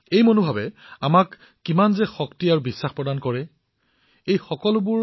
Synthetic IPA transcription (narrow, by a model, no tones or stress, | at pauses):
ejmonobʱabɛamakː | imanzɛxɔktiaɹʊbisːaxpɹɔdankɔɹɛ | ejxɔkɔlʊbʊɹ